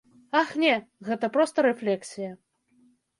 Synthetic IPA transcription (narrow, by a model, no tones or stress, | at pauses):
axnʲɛɣɛt̪ɐpɾɔst̪ɐɾɛflʲɛksʲijɐ